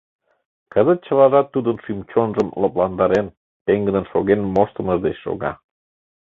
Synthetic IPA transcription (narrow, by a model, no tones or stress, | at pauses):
kəzət̪̚t͡ɕəlɑʒɑt̪ːud̪ənʃymt͡ɕonʒəmləplɑnd̪ɑɾen | t̪eŋɡəd̪ənʃoɣenmoʃt̪əməʒd̪et͡ɕʃo̰ɣɑ̰